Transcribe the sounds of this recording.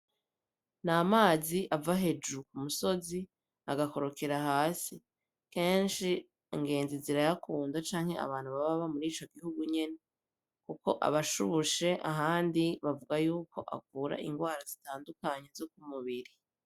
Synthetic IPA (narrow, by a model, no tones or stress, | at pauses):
namaːziʔavaɦe̞d͡ʒukumuso̞zi | a̰ɡako̞ɾo̞keɾaɦaːsi | ke̞ːnʃi | iŋɡe̞ːnziziɾajakʰuːndat͡ʃaːŋhe̞a̰βaːn̥huβaβaβamuɾiːt͡ʃo̞ɡihuɡuɲe̞ne | kuko̞ʔa̰βaʃuβuʃe̞ʔa̰ɦaːndiβavuɡajuːko̞ʔa̰kuːɾa̰ʔḭŋɡwaːɾazitaːndukaɲe̞zo̞k̚umuβiɾi